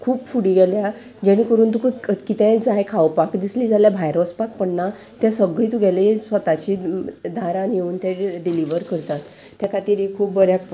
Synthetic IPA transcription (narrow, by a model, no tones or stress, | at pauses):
kʰuːpfuɽiɡɛlja | d͡ʑaɽ̃ikəɾuːnt̪̬ukkit̪ɛ̃d͡zajkʰawpakd̪isliːd͡zaljabʱajɾospak̚pəɳna | t̪jãsəɡɭiːt̪uɡɛlisʋət̪at͡ɕid̪ʱaɾãnjeuːnt̪ɛɖiliʋəɾkəɾt̪at̪ː | jakʰat̪iːɾikʰuːp̚bəɾjak̚